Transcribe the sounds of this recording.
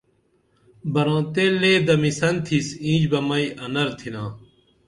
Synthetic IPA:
bɐɾõːt̪eleːd̪ɐmisɐnt̪ʰisĩːd͡ʑbɐmɐiʔɐnɐɾt̪ʰinãː

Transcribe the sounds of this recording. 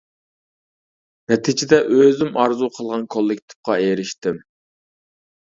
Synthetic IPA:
nɛt̪ʰɪd͡ʒɪd̪ɛʔøzɪmɑɾzuqʰəlˠʁɑnkʰolˠːɪkʲt̪ʰɪ̥p̚qɑeɾɪʃt̪ɪm

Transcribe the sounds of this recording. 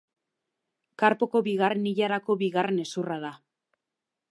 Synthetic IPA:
kaɾpo̞ko̞βiɣareniʎaɾako̞βiɣare̞ne̞suraða

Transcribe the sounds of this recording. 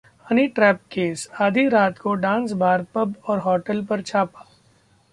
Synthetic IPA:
ɐniʈɾɛːp̚keːsaːd̪ʱiɾaːt̪koɖãːns̬bʱaːɾpɐbɔːɾɦɔːʈəlpɐɾt͡ʃʰaːpḁː

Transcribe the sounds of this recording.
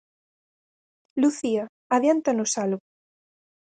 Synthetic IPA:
luθia | aðjant̪anusalɣo

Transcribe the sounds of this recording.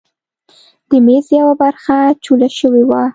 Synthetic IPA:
d̪̥əmezjawabaɾxat͡ʃulaʃəwewa

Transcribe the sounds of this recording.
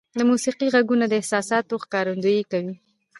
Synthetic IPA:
d̪əmusiqiɣaɡunad̪əɪhsɑsɑt̪oxkɑɾand̪ojekawi

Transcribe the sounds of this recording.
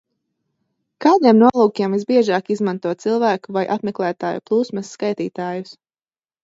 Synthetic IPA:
kaːd̪iɛmnuɔlˠuːkiɛmvizbiɛʒaːkizmãnt̪uɔt̪̚silˠvæːkuvajʔa̰tmɛklˠæːt̪aːjuplˠuːsmɛsːkajt̪iːt̪aːjus

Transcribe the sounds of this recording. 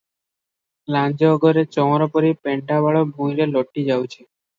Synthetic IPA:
lãnd͡ʒɔːɡɔɾet͡ʃɔwɔɾɔpɔɾipeɳʈabaɭɔbʱũĩɾelɔʈːid͡ʒawt͡ʃʰe

